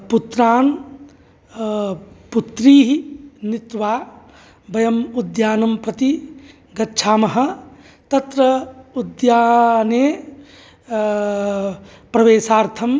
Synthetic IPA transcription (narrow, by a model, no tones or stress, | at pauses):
put̪ɾaːn | put̪ɾiːɦinit̪ʋaː | bɐjɐmud̪jaːnɐmpɾɐt̪i | ɡɐtːt͡ʃʰaːmɐɦɐ̆ | t̪ɐt̪ɾɐud̪jaːneː | pɾɐʋeːsaːɾt̪ʰɐm